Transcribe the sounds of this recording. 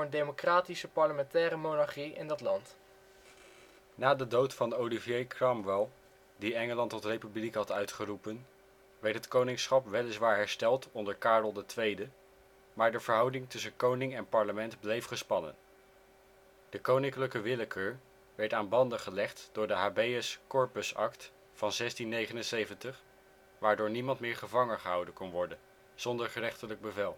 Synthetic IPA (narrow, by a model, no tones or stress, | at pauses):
əndejmokraːtisəpɑɹləmɛntɛːɾəmonɑɹχiɪ̰ndɑtlɑnt | naːdədowtfɑnowlivjejkʰrɑmʋɛlˠ | diɛŋəlɑntɔtrejpyblikɦɑtœɥtχərupən | ʋɛɹtɦətkownɪŋsχɑpʋɛlɪsʋaːɹɦɛɹstɛlˠtɔndəɹkaːɹdl̩ˠdətʋejdə | maːɹdəv̥əɹɦɑwdɪŋtɵsənkownɪŋɛnpɑɹləmɛntblejfχəspɑnə̰n | d̥əkownɪŋkləkəʋɪləkʰəɹ | ʋɛɹtaːnbɑndəχəlɛχtd̥ʊːɹdəɦaːbejəskɔɹpəsɑ̰kt | fɑnzɛstinːejχənənsejvəntəχ | ʋaːɹdʊːɹnimɑntmɪːɹχəvɑŋənχəɦɑwdənkɔnʋɔɹdən | z̥ɔndəɹχərɛχtələɡ̚bəvɛlˠ